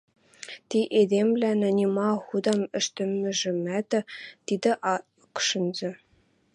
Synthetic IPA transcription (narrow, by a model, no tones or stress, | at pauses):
t̪ʲiʔed̪ʲemʲblʲænɑnʲimɑχud̪ɑmɘ̆ʃt̪ɘ̆mʲːɘ̆ʒɘ̆mæt̪ʲɘ̆t̪ʲid̪ʲɘ̆ʔɑ | kʂɤ̆nd͡ʑɘ̆